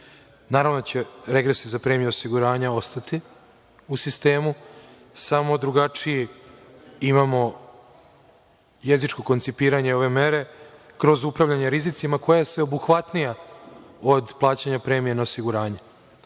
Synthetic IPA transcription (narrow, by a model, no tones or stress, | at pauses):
naːɾavʋnot͡ɕeɾe̞ɡɾe̞sizapɾemijuosiɡuɾaːɲao̞st̪at̪i | usist̪e̞ːmu | samo̞d̪ɾuɡat͡ʂiji | imamo̞ | je̞zit͡ʃko̞ko̞nt̪sipiːɾaɲeo̞ʋe̞me̞ɾe̞ | kɾo̞zupɾavʎaɲeɾizit̪simako̞jaje̞sʋe̞o̞buxʋat̪nija | od̪plˠaːt͡ɕaɲapɾe̞ːmijenaosiɡuɾaːɲe̞